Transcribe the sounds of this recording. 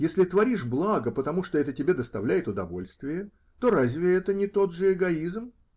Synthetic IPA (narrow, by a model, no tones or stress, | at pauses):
jesʲlʲɪt̪vɐɾʲiʂblˠaɡəpət̪ɐmuʂt̪oɛt̪ətʲɪbʲe̞d̪əst̪ɐvlʲæjɪt̪ʊd̪ɐvo̞̰lʲst̪vʲɪjə | t̪o̞ɾazʲvʲɪɛt̪ənʲɪt̪o̞d̪ʐɨɪɡɐizm